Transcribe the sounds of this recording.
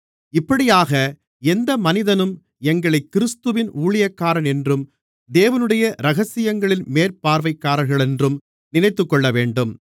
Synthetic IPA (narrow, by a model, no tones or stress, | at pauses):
ɪpːɐɽɪjaːɣɐ | ɛnd̪ɐmɐnɪðɐnɯm | ɛŋɡɐɭɐɪkːɪɾɯst̪ɯʋɪnʔuːɭɪjɐkːaːɾɐnɛndrɯm | d̪eːʋɐnɯɽɐjɐɾɐɣɐsɪjɐŋɡɐɭɪnmeːɾpaːɾʋɐɪkːaːɾɐɾɣɐɭɛndrɯm | nɪnɐɪt̪ːɯkːɔɭːɐʋeːɳɖɯm